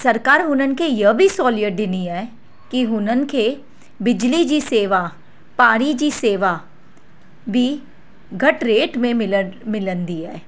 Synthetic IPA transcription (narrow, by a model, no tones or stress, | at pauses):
sɐɾkaːɾɦʊnənkejəbʱisɔːlɪjəʈ̚ɖɪniɦɛ | kiɦʊnənkʰe | bɪd͡ʒlid͡ʒiseːʋa | paːɽ̃id͡ʒiseːʋa | bʱi | ɡʱɐʈɾeːʈmẽmɪlmɪlənd̪iɛː